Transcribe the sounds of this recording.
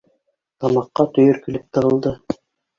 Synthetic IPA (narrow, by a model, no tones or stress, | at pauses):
t̪ɑmɑqːɑt̪ɵ̆jɵɾkɵ̆lɘp̚t̪ɤ̆ʁɤ̆lˠd̪ɤ